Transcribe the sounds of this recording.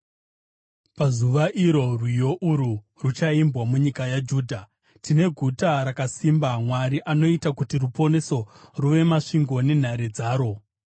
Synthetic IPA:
pazuʋaʔiɾo̞rwijo̞ʔuɾu | rut͡ʃaimbwamuɲikajad͡ʒuːdʱa | tine̞ɡʱutaɾakasimbamwaɾiʔano̞itakutirupo̞ne̞so̞ruʋe̞maʂiŋɡo̞ne̞n̤aɾed͡zaːɾo̞

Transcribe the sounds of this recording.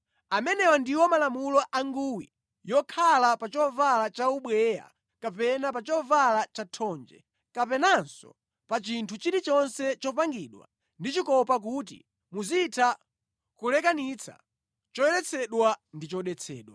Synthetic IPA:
amɛnɛwɔndiwɔmalamulɔʔaŋɡuwḭ | jɔkʰalapat͡ʃɔvalat͡ʃauɓwɛja̰ | kapɛnapat͡ʃɔvalat͡ʃatʰɔnd͡ʒɛ̰ | kapɛnansɔ̰ | pat͡ʃintʰut͡ʃiɾit͡ʃɔnsɛt͡ʃɔpaŋɡiːɗwa̰ | ndit͡ʃikɔpak̬ut̬ḭ | muzitʰa | kulɛkanit͡sʰa̰ | t͡ʃɔjɛɾɛt͡sʰɛɗwandit͡ʃɔɗɛt͡sʰɛ̰ːɗwa

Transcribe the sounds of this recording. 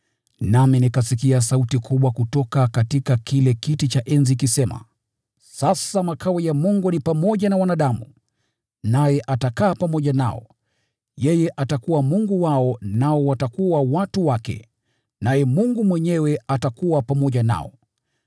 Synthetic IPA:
naminikasikias̬autikʰuɓwakutɔkakatikakilɛkitit͡ʃaʔɛnzikisɛma̰ | sasamakʰaɔjamuŋɡunipamɔʄanawanaɗamṵ | najɛʔatakaːpamɔʄana̰ɔ̰ | jɛjɛʔatakuwamuŋɡuwaɔnaɔwatakuwawatuwakɛ̰ | najɛmuŋɡumwɛɲɛwɛatakuwapamɔʄana̰ɔ̰

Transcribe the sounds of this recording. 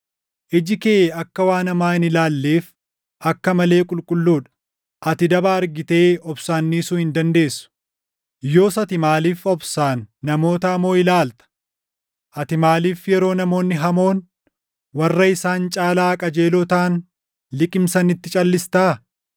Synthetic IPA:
ʔɪd͡ʒɪkeʔɐkːɐwaːnɐmaːɪnɪlaːlːeːf | ʔɐkːɐmɐle̞ːkʼʊlkʼʊlːuːᶑɐ̥ | ʔɐt̪ɪd̪ɐbaɐɾɡɪt̪e̞ːɔbsaːnːiːsuːhɪnd̪ɐnd̪e̞ːsːʊ̥ | jo̞ːsɐt̪ɪmaːliːfɔbsaːnːɐmo̞ːt̪ɐːmo̞ːɪlaːlt̪ɐ̥ | ʔɐt̪ɪmaːliːfjɛɾo̞ːnɐmo̞ːnːɪɦɐmo̞ːn | wɐrːɐɪsaːnt͡ʃʼaːlaːkʼɐd͡ʒe̞ːlot̪aːn | lɪkʼɪmsɐnɪt̪ːɪt͡ʃʼɐlːɪst̪aː

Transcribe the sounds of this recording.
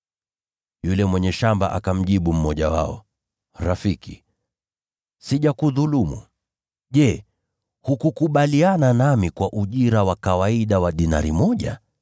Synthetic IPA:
julɛmwɛɲɛʃamba̰ʔakam̩ʄiɓum̩mɔʄawa̰ɔ | ɾafiki | siʄakuðulumṵ | ʄɛ | hukukuɓaliananamikwaʔuʄiɾawakawaiɗawaɗina̰ɾimɔʄa

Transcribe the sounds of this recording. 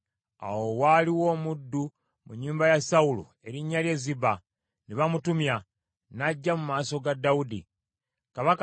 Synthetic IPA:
a̰wowaliwo̞ːmudːu | muɲːuːmbajasaulṵ | e̞ɾiɲːalje̞ːziba | niβamutumja | naɟːamumaːso̞ɡadːaudi | kaβak

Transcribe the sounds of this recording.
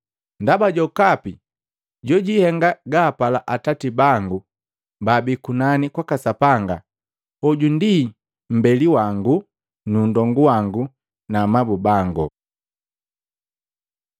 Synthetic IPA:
ndabaɟɔkapi | ɟɔɟihɛŋɡaɡaːpalaʔatatibaŋɡu | babikunanikwakasapaŋɡa̰ | ɔɟundi | m̩bɛliwaŋɡu | nundɔŋɡuwaŋɡu | namabubaŋɡɔ̰

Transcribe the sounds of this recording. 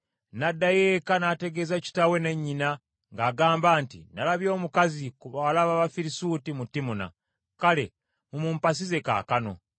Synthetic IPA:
nadːajeːkanaːte̞ɡe̞zaci̥tawe̞ne̞ɲːina | ŋɡaːɡaːmbaːntḭnalaβjo̞ːmukazikuβawalaβaβafiɾisutimutːimuna̰ | kale̞ | mumuːmpas̬ize̞ka̰ːkano̞̰

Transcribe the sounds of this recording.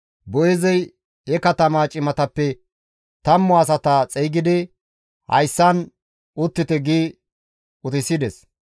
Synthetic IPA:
bɔjɛzɛj | ɛkɐt̪ɐmaːt͡ʃʼɪmɐt̪ɐpːɛ | t̪ɐmːɔɐs̬ɐt̪at͡sʼɛjɡɪd̪ɪ | hɐ̰jsːɐn | ʊt̪ːɪt̪ɛɡiː | ʊt̪ɪsɪd̪ɛs

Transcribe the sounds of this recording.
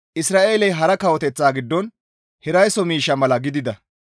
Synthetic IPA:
ʔɪsɾaːʔe̞ːlɛjɦɐɾɐkɐwɔt̪ɛt͡sːaːɡɪd̪ːɔn | hɪɾɐjsɔmiːʃːɐmɐlɐɡɪd̪ɪd̪ɐ

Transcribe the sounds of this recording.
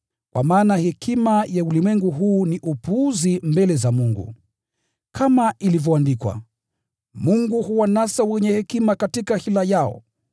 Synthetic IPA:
kwa̰maːnahɛkʰimajaulimwɛŋɡuɦuːniʔupuːzimbɛlɛzamuŋɡṵ | kʰamaʔilivjɔandikwa̰ | muŋɡuhuwanasawɛɲɛhɛkimakatikahilajaɔ̰

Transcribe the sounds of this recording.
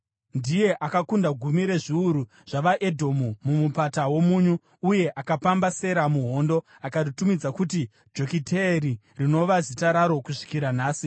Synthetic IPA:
ndije̞ʔakakundaɡʱumiɾe̞ʐiuɾu | ʐ̥aʋaʔe̞dʱo̞mumumupatawo̞muːɲuː | je̞ʔakapambase̞ɾamuɦo̞ndo̞ | akatutumid͡zakuti | d͡ʒo̞kitʰeri | rino̞ʋazitaɾaɾo̞kuʂi̥kiɾanaːsi

